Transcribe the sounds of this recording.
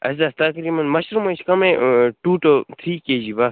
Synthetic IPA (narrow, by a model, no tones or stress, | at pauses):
ɐ̰zd̪ɐst̪ɐkɾiːmɐnmɐʃɾmɐt͡ʃkɐmẽʈuːʈot̪ʰɾiːkeːd͡ʑibɐs